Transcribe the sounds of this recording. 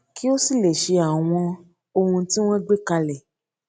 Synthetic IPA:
ki˦o˦si˦˨le˨ʃe˧a˨w̃ɔ̃˧ | o˧hũ˧ti˦w̃ɔ̃˦ɡ͡be˦ka˧lɛ˨

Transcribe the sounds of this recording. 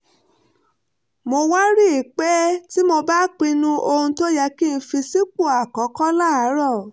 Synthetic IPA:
mo˧wa˦ɾi˦˨i˨k͡pɛ˦ti˦mo˧ba˦k͡pĩ˧nũ˧o˧hũ˧to˦ja˧˦ki˦˧n̩˧fi˧si˦k͡pu˦˨a˨kɔ̃˨˦kɔ˦la˦˨a˨˦ɾɔ˦˨

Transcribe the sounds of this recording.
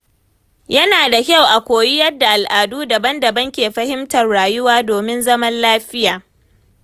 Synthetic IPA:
jɐ˦naː˨da˨kʲa˦˨wʔa˨kʷoː˨ji˦jɐ˦dːa˨ʔa˨lʔaː˨duː˦dɐ˨bɐ˦ndɐ˨bɐ˦ŋkʲeː˨ɸɐ˦hɪ˦mtɐ˨rɽaː˨jʊ˦waː˦doː˨mɪ˦nzɐ˦mɐ˦nlaː˦ɸɪ˦jaː˨

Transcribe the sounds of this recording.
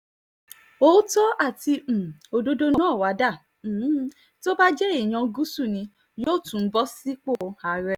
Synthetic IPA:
o˨˦tɔ˦ʔa˦˨tĩ˧˨o˧do˦do˦n˧ãː˦˨wa˨˦da˦˨˦ | to˦ba˦d͡ʒɛ˦i˦˨j̃ã˧ɡu˦su˦˨nĩ˧ | joː˦˨tũ˨˦n̩˦bɔ˦si˦k͡po˦˨a˨ɾɛ˧

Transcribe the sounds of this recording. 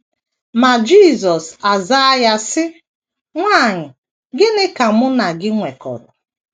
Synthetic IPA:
ma˨d͡ʒi˦˨zɔ˨sa˨za˦ja˦sɪ˦ | ŋʷa˦˨ɲɪ˨ | ɡɪ˦nɪ˦ka˨mʊ˦na˨ɡɪ˦ŋʷe˨kɔ̰˨dɔ˨

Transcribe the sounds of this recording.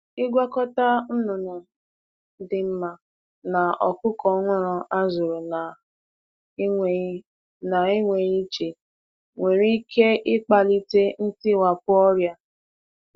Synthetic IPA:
ɪ˦ɡʷa˦kɔ˦ta˦n̩˦nʊ˨nʊ˨ | dɪ˨m̩˦ma˨ | na˨ɔ˨kʊ˦kɔ˨˦ŋʷɔ˦ɾɔ˨ʔa˦zʊ˨ɾʊ˨na˨˦˨ | na˨i˦ŋʷe˨ɣi˦t͡ʃe˨ | ŋʷe˨ɾi˦kʰe˦ʔɪ˦k͡pa˨li˦te˦n̩˦ti˦˨wa˨pʊ˦ɔ˦ɾja˦

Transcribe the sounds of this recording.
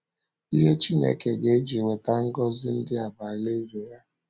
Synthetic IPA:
i˦ɦe˦t͡ʃi˦nḛ˨ke˨ɡe˨˦d͡ʒi˨ŋʷe˨ta˦ŋ̩˦ɡɔ˦zɪ˦n̩˦dɪ˦a˨ba˨le˦ze˨ja˦

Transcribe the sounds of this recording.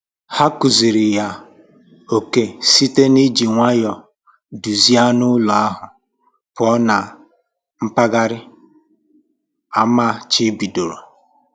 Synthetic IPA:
ha˦ku˨zi˨ɾɪ˨ja˨ | o˨ke˨si˦te˦ni˦d͡ʒi˨ŋʷa˦jɔ˨ | du˨zi˦a˦nʊ˦lɔ˨a˦ɦʊ˨ | pʊ˨˦ɔ˦na˨ | m̩˦pa˦ɡa˦ɾɪ˦ | a˦ma˦˨t͡ʃi˦bi˨do˨ɾo˨

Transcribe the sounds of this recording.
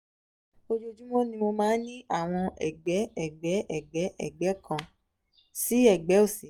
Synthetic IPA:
o˧d͡ʒo˧d͡ʒu˦mɔ̃˦nĩ˧mo˧mãː˦nĩ˦a˦˨w̃ɔ̃˧ɛ̰˨ɡ͡bɛ˨˦ɛ˦˨ɡ͡bɛ˨˦ʔɛ˦˨ɡ͡bɛ˨˦ʔɛ̰˦˨ɡ͡bɛ˨˦kã˨ | si˨˦ɛ˦˨ɡ͡bɛ˨˦o˦˨se˨

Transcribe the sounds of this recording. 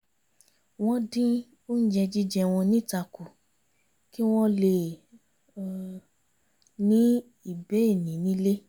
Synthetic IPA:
w̃ɔ̃˧˦dĩ˦ | o˦n̩˦d͡ʒɛ˧d͡ʒi˦d͡ʒɛ˧w̃ɔ̃˧nĩ˦˨ta˧ku˨ | ki˦w̃ɔ̃˦le˨ | nĩ˦ | i˨bɛ˨˦e˦˨nĩ˨˦nĩ˨˦le˦

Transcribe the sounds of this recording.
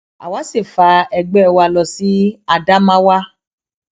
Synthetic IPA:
a̰˨wa˨˦si˦˨fa˧ɛ˧ɡ͡bɛ˦˧˨wa˧˨lɔ˧si˨˦a˧da˦mã˦wa˦

